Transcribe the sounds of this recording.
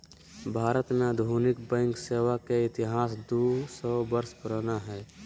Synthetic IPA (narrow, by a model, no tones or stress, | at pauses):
bʱaːɾət̪mẽəd̪ʱuːnɪkbɛ̃ːŋkseːwakeɪt̪ɪɦaːsd̪usɔːbəɾspɾənaɦɛː